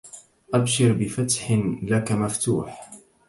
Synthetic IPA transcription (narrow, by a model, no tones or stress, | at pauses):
ʔabʃɪɾbɪfat̪ħlakamaft̪ṵːħ